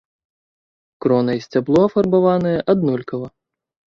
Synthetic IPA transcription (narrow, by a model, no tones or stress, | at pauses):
kɾɔnɐjisʲt͡sʲablˠɔɐfɐrbavanɨjɛʔad̪̚nɔlʲkɐvɐ